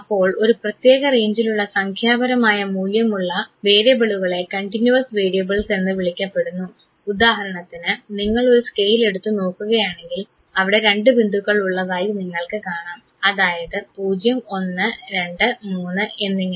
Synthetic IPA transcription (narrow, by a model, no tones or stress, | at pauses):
ɐpːo̞ːɭo̞ɾuprɐt̪jeːɣɐre̞ːɲd͡ʑiluɭːɐsɐŋkʰjaːbɐɾɐmaːjɐmuːljɐmuɭːɐʋe̞ːɾijɐbeɭuɣɐɭe̞kɐɳʈinjuɐsʋe̞ːɾijɐbɨɭsenːɨʋiɭikʲːɐpːe̞ɽunːu | ud̪aːhɐɾɐɳɐt̪ːinɨniŋːɐɭo̞ɾuskejile̞ɽut̪ːuno̞ːkːuɣɐjaːɳe̞ŋɡil | ɐʋiɽe̞ɾe̞ɳɖɨbind̪ʱuɣːɐɭuɭːɐðaːjiniŋːɐɭkɨkaːɳaːm | ɐðaːjɐðɨpuːd͡ʑjɐmo̞nːɨɾe̞ɳɖɨmuːnːɨe̞nːiŋː